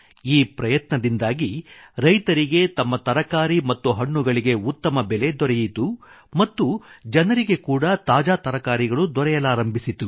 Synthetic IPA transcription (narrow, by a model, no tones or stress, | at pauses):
iːpɾɐjɐt̪nɐd̪ind̪aːɡiɾɐjt̪ɐɾiɡe̞t̪ɐmːɐt̪ɐɾɐkaːɾimɐt̪ːuɦɐɳːuɡɐɭiɡe̞ut̪ːɐmɐbɛle̞d̪ɔɾɛjit̪u | mɐt̪ːud͡ʒɐnɐɾiɡe̞kuːɽɐt̪aːd͡ʒaːt̪ɐɾɐkaːɾiɡɐɭud̪ɔɾɛjɐlaːɾɐmbʱisit̪u